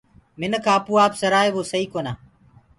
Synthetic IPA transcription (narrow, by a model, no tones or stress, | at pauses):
mɪnkʰãːpuːaːpsəɾaːeːʋoːsəiːkoːnaː